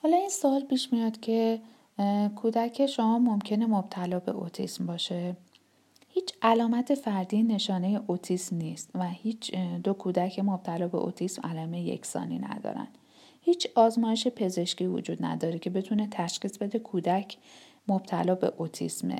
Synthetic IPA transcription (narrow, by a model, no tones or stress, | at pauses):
hɒːlɒinsɒːlpʰiːʃmijɒːd̪̥cʲʰe̞ | kʰuːd̪æcʰeʃomɒːmomcʰe̞ne̞mob̥t̪ʰælɒːbe̞̰ʔo̰t̪ʰḭsmbɒːʃe̞ | hiːt͡ʃʰælɒːmæt̪ʰe̞fæɾd̪iːne̞ʃɒːne̞jeʔot̪ʰiːsmniːst̪væhiːt͡ʃʰd̪o̞kʰuːd̪æcʰemob̥̚t̪ʰælɒːbe̞̰ʔo̰t̪ʰismæ̰lɒːmejjḛcʰsɒ̰ːnḭnæ̰d̪ɒ̰ːɾæ̰nd̪ | hiːt͡ʃʰɒːzmɒːjeʃe̞pʰe̞ze̞ʃciːvo̰d͡ʒuːd̪næ̰d̪ɒːɾecʰe̞be̞t̪ʰune̞t̪ʰæʃχiːsbe̞d̪e̞kʰuːd̪æcʰ | mob̥̚t̪ʰælɒːbe̞̰ʔot̪ʰḭsmḛ